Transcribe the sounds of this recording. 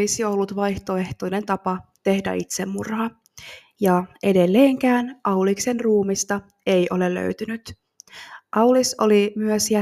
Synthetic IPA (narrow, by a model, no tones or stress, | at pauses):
isio̞lːut̪ʋɑjht̪o̞e̞ht̪o̞jne̞nt̪ɑpɑt̪e̞hdæ̰it̪se̞mːurhɑ | jɑʔe̞de̞lːeːŋkæːnʔɑwlikse̞nruːmist̪ɑ | e̞jʔo̞le̞lːø̰ɥt̪ynyt̪ | ʔɑwliso̞̰limyøsjæ